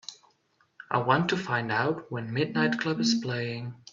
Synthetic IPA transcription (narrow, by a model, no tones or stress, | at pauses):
ʔa̰ɪwɑ̃ntʰɨfãɪ̃ndaʊt̚wə̃nmɪdⁿnaɪt̚kʰl̥ʌbɨz̥pʰl̥eɪɪ̃ŋ